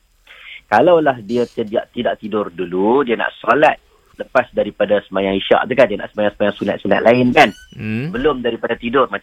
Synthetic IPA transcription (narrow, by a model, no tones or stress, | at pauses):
kalawlahdiasədiaʔt̪idaʔt̪idʊrduludianã̰ʔsolat̪̚ | ləpasdaɾipadasəmajãŋiʃa̰ʔt̪ukandianaʔsəmajaŋsəmajãŋsuna̰t̪̚suna̰t̪̚lʔaɪnkanbəlʊmdaɾipadat̪idʊrma